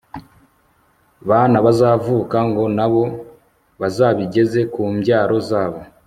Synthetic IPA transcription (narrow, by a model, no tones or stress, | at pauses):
βaːnaβazaːvuːkaŋɡo̞naβo̞ | βazaːβiɟe̞ze̞kuːmbɟaːɾo̞zaːβo̞